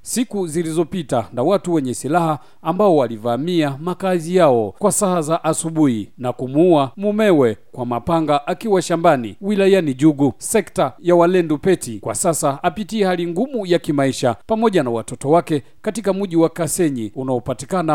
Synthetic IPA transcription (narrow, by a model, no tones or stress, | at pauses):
sikuzilizɔpitanawatuwɛɲɛsilahaː | mbaɔwalivamiamakazijaɔkwasaazaʔasuɓuhinakumuamumɛwɛkwamapaŋɡaʔakiwaʃambanḭwilajaniʄuɡusɛktajawalɛndupɛtikwa̰sasaapitiɛhaliŋɡumujakimaiʃapamɔʄanawatɔtɔwakɛ | katikamuʄiwakasɛɲiunaɔpatikana